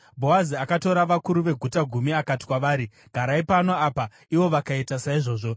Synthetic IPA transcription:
bʱo̞aziakato̞ɾaʋakuɾuʋe̞ɡʱutaɡʱumiakati̥kwaʋaːɾi | ɡʱaɾaipanoaːpa | iʋo̞ʋakaitasaiʐo̞ːʐo̞

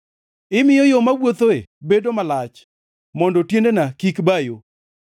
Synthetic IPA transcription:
ɪmɪjɔjomawwot̪oḛbedomalat͡ʃ | mɔndɔtjendenakikbajo

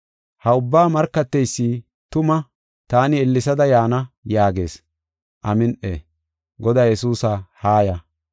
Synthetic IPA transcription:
hɐʊbːaːmɐɾkːɐt̪ːɛjsːiː | t̪ʊmɐ | t̪aːnɪɛlːɪsɐd̪ɐjaːnɐjaːɡe̞̰ːs | ʔɐmɪnʔḛː | ɡɔd̪aːjɛsuːsɐhaːjɐ

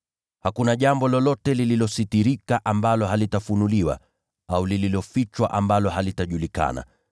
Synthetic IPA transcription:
hakunaʄambɔlɔlɔtɛlililɔsitiɾikaʔambalɔɦalitafunuliwa̰ | aulililɔfit͡ʃwaʔambalɔɦalitaʄulika̰na̰

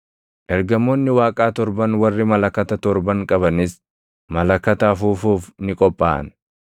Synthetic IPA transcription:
ʔɛɾɡɐmːoːnːɪwaːkʼaːt̪ɔɾbɐnwɐrːɪmɐlɐkːɐt̪ɐt̪ɔɾbɐŋkʼɐbɐnɪs | mɐlɐkːɐt̪aːfuːfuːfnɪkʼɔpʼːa̰ːʔɐ̰n

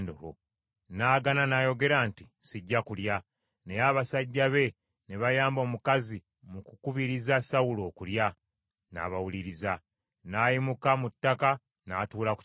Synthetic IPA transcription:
ndo̰lo̰ | naːɡananaːjo̞ɡe̞ɾaːntisiɟːakulja | nejaβasaɟːaβe̞ | ne̞βajaːmbo̞ːmukazi | mukukuβiɾizasawuloːkulja | na̰ːβawuliɾiza | naːjimukamutːaka | naːtuːlak

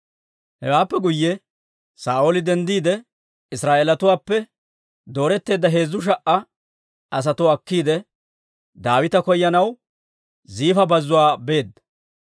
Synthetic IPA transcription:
hɛ̰waːpːɛɡʊjːɛ | saːʔolɪd̪ɛnd̪iːd̪ɛ | ɪsɾaːʔeːlɐt̪ʊwaːpːɛ | d̪o̞ːɾɛt̪ːe̞ːd̪ːɐɦe̞ːzːʊʃ̬ɐʔʔːɐ | ʔɐs̬ɐt̪ʊɐkːiːd̪ɛ | d̪aːwɪt̪ɐkɔjːɐnɐw | ziːfɐbɐzːʊwaːbe̞ːd̪ːɐ̥

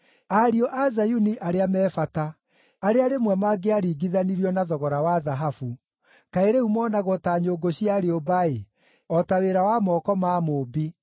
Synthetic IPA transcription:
aɾiɔʔazajuniʔaɾeamɛːfataː | ɾeaɾemwɛmaɡeaɾiːɡiðaniɾiɔnaðɔɣɔɾawaðaɦafu | kaeɾehumɔːnaɣɔtaɲoːɡoɕiaɾeobae | ɔtaweɾawamɔːkɔmaːmoːbi

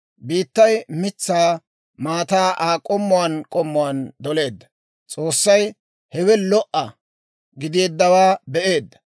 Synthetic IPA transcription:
biːt̪ːɐjmɪt͡sːaː | maːt̪aːʔaːkʼɔmːɔwankʼɔmːɔwand̪ɔle̞ːd̪ːɐ̥ | t͡sʼoːsːɐj | hɛwɛlɔʔɐ | ɡɪd̪ɪjɛd̪ːɐwaːbɛʔe̞ːd̪ːɐ̥

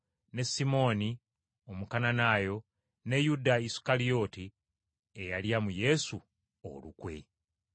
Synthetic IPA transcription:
ne̞simo̞ːni | omukananaːjo̞ | ne̞judaisu̥kalio̞ti | ejaljamuje̞su | o̰lṵkwe̞̰

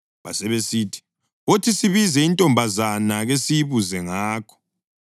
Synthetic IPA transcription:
βa̰sɛβesiːtʰi̥ | otʰisiβizɛintʼɔmbʱazanaɣesiβuzɛŋaːkʰɔ̥

